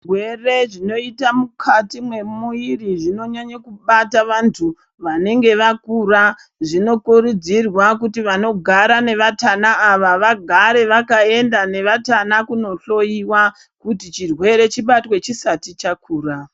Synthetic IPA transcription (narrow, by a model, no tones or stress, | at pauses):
rwere̞ʐino̞itamukʰatimwe̞muiriʐino̞ɲaɲakuɓataʋantʰu | ʋane̞ŋɡe̞ʋakura | ʐino̞kuɾud͡zirwakutiʋano̞ɡʱaɾane̞ʋatanaːʋaʋaɡʱaɾe̞ʋakae̞ndane̞ʋatanakuno̞ɬo̞iwa | kutit͡ʃirwe̞ɾe̞t͡ʃiɓatwe̞t͡ʃisatit͡ʃakʰuːra